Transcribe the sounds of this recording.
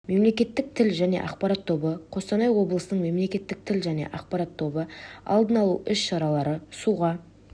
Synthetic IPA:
me̞mle̞kʲe̞t̪ːɪk̚t̪ʰɪlʒæne̞̰ʔɑqpɑɾat̪ʰːo̞bəqʰo̞sɑnɑjwo̞blˠəsənəɴme̞mle̞kʲe̞t̪ːɪk̚t̪ʰɪlʒæne̞̰ʔɑq̚pɑɾɑt̪ʰːo̞bəɑ̰lˠd̪ənɑlˠuʔʏsʃɑɾɑlˠɑɾəsuʁɑ

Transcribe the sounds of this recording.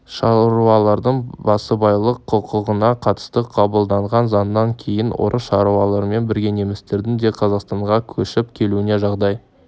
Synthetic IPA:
ʃɑɾuɑlˠɑɾd̪əɴbɑsəbɑjlˠəqʰːʊqʰəʁənɑqʰɑt̪ə̥st̪əqʰɑbəlˠd̪ɑɴʁɑnzɑnd̪ɑŋkʲʰe̞jɪnwo̰ɾʔəsʃɑɾuɑlˠɑɾme̞nbɪɾɡʲe̞ne̞mɪst̪e̞ɾd̪ɪŋd̪e̞qʰɑzɑqst̪ɑɴʁɑkʲʰɵʃɪpkʲʰe̞luɪne̞ʒɑʁd̪ɑj

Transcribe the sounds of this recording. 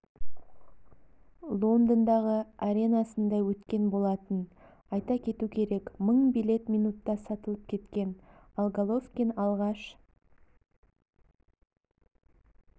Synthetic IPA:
lˠo̞nd̪ənd̪ɑʁəaɾʲe̞nɑsənd̪ɑwɵt̪kʲe̞nbo̞lˠɑt̪ən | ɑjt̪ɑkʲʰe̞t̪ukʲʰe̞ɾe̞kməɴbijlʲe̞t̪mʲijnut̪ːɑsɑt̪əlˠəp̚kʲʰe̞t̪kʲe̞nalˠɡalˠofkʲinɑlˠʁɑʃ

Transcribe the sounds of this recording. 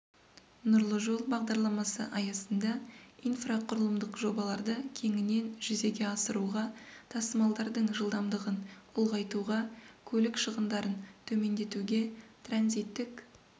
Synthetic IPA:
nʊɾlˠəʒo̞lˠbɑʁd̪ɑɾlˠɑmɑsəʔɑjɑsənd̪ɑijnfraqʰʊɾəlˠəmd̪əqʒo̞bɑlˠɑɾd̪əkʲʰe̞ŋɪne̞nʒ̥ʏze̞ɡʲe̞ɑsəɾuʁɑt̪ʰɑsəmɑlˠd̪ɑɾd̪əɴʒəlˠd̪ɑmd̪əʁənʊlˠʁɑjt̪uʁɑkʲʰɵlɪkʃəʁənd̪ɑɾənt̪ʰɵme̞nd̪e̞t̪uɡʲe̞t̪ʰranzijt̪ːɪk

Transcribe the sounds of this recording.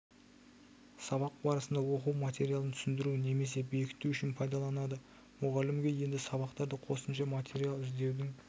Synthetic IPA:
sɑβɑq̚bɑɾəsənd̪ɑwo̞quwmat̪ʲe̞ɾijalˠənt̪ʰʏ̥sɪnd̪ɪɾune̞me̞se̞be̞kʲʰɪ̥t̪ːuʏʃɪnpʰɑjd̪ɑlˠɑnɑd̪ə | mʊʁɑlɪmɡʲe̞je̞nd̪ɪsɑβɑqt̪ɑɾd̪əqʰo̞səmʃɑmat̪ʰʲe̞ɾijalˠɪzd̪e̞wd̪ɪŋ

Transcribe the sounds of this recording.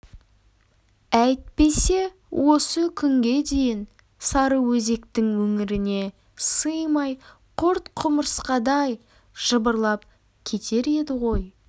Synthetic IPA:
æjt̪̚pe̞se̞ | wʔo̞səkʲʰʏŋɡʲe̞d̪e̞jɪn | sɑɾəwɵze̞kt̪ɪŋwɵŋɪɾɪne̞ | sɨjmɑj | qʰoɾt̪qʰʊməɾsqɑd̪ɑj | ʒ̥əbəɾlˠɑp | kʲʰe̞t̪ʰe̞ɾe̞d̪ɪʁo̞j

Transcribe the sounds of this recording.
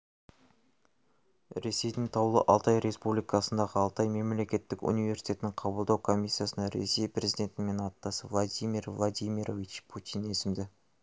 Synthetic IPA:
ɾe̞se̞jd̪ɪŋt̪ʰɑwlˠə̰ʔɑlˠt̪ɑjɾe̞spublijkɑsənd̪ɑʁəɑlˠt̪ɑjme̞mle̞kʲe̞t̪ːɪkṵnijve̞ɾsi̥t̪ʲe̞ɪnɪɴqʰɑbəlˠd̪ɑwkʰo̞mʲisːijasənɑɾḛse̞jprezid̪e̞nt̪ɪme̞nɑt̪ːɑsəvlˠad̪ijmʲirvlˠad̪ijmʲiɾovit͡ʃpʰut̪ʲine̞sɪmd̪ɪ

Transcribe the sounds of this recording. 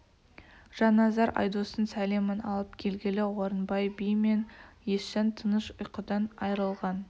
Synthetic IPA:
ʒ̥ɑnɑzɑɾʔɑ̰jd̪osənsælemənɑ̰lˠəpkʲʰe̞lɡʲelɪwo̞ɾənbɑjbijme̞nje̞sʃænt̪ʰənəʃʊjqəd̪ɑnɑjɾəlˠʁɑn

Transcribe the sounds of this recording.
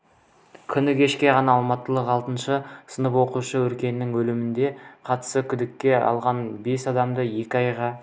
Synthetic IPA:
kʲʰʏnɪkʲʰe̞ʃkʲe̞ʁɑnɑːlˠmɑt̪ːəlˠəqɑlˠt̪ənʃəsənəpwo̞quʃəwɵɾkʲe̞nːɪŋwɵlɪmɪnd̪e̞qʰɑt̪ə̥səkʲʰʏd̪ɪkʲːe̞ɑ̰lˠʁɑnbe̞sɑd̪ɑmd̪əje̞kʲɪɑjʁɑ

